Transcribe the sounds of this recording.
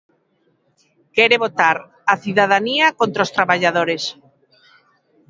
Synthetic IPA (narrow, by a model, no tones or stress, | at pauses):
kɛɾeβot̪aɾ | aθjuðað̞aniakont̪ɾaost̪ɾaβaʎaðoɾes